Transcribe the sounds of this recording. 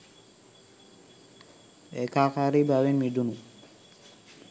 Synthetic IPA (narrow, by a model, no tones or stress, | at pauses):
ekakaɾibaβenmiɖunu